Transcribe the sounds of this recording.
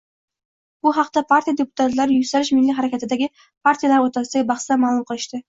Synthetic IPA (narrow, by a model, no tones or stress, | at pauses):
b̥ʊɦɑqt̪apʰaɾt̪ʰijad̪epʰʊ̥t̪ʰat̪laɾɪjʊsaɾɪʃmɪlːiɦaɾakʲʰat̪ʰɪd̪aɡʲɪ | pʰaɾt̪ʰijalaɾot̪ʰazt̪aɡʲbɑχsd̪amaːlˠʊmqʰɨlˠɪʃt̪ɪ